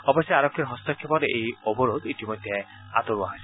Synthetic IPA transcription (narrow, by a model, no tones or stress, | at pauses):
ɔbɔsjaaɾɔkʰːiɾɦɔst̪ɔkʰːɔpɔɾeʔejɔbɔɾod̪itimɔjd̪ʱje | a̰t̪ɔɾuaɦɔjs